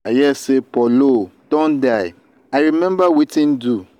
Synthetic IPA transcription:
ajɛsepɔlod̥ɔ̃ndaɪ | aɾimɛ̃mbawitʰĩndu

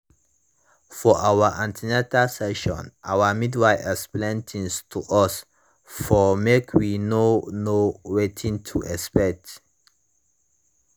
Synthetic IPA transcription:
fɔʔawəʔãntʰinɛtasɛʃɔ̰̃nʔa̰wəmidwaɪʔɛsplɛ̃ntʰĩnstʰuʔɔs | fɔmekʰwinonowetʰĩntʰuʔɛspɛk̚t

